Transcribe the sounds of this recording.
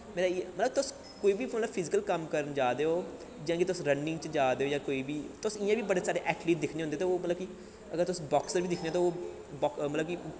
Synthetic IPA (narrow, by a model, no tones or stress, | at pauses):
meːɾamət̪ləb̚t̪ʊs | koːiːbiːmət̪ləbpʰɪzɪkəlkəmkəɾənd͡ʒaːd̪eːoː | d͡ʒãːkit̪ʊsɾənːɪ̃ŋɡt͡ʃd͡ʒaːd̪eːoːjãːkoːiːbiːt̪ʊsɪjãːbiːbəɽeːsaːɽeːʔɛːʈliːʈ̚d̪ɪkʰneːõnd̪eːt̪ːoːmət̪ləbki | əɡəɾt̪ʊsbɔːksəɾʋiːd̪ɪkʰneãːt̪õːoː | bɔːkmət̪ləb̚ki